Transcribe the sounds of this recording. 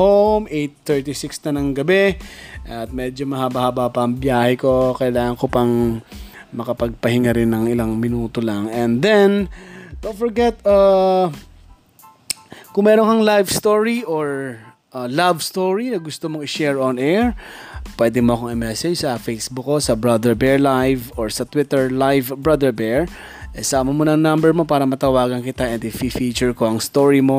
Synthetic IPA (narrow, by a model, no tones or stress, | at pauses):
howmʔejt̪ːɛɹt̪isɪksnɐnɐŋɡɐbɛʔɐt̪̚mɛːd͡ʒomɐhabɐhabapɐʔɐŋbjaːhɛko̞kɐjlaːŋɐŋkopɐŋ | mɐkɐpɐɡ̚pɐhɪŋaɾɪnːɐŋʔɪlaŋmɪnuːt̪olɐŋɛnd̪ɛnd̪̥ont̪fɔɹɡɛt̪̚ɐ | kʊŋmɛːɾoŋkɐŋlajvst̪oɹiʔoɹ | ʔɐlavst̪oɹinɐɡʊst̪omoŋɪʃɛɹɔnɛɹpwɛːd̪ɛmoɐkoŋɪmɛsɛd͡ʒsɐfejsbʊkːosɐbɹɐd̪ɛɹbɛɹlajvoɹsɐt̪wɪt̪ɛɹlajvbɹad̪ɛɹbɛɹ | ʔɛsaːmɐmonɐŋnambɛɹmo̞paːɾɐmɐt̪ɐwaːɡɐnkɪt̪ɐʔɛnd̪ɪfifiːt͡ʃʊɹkoɐŋst̪oɹimo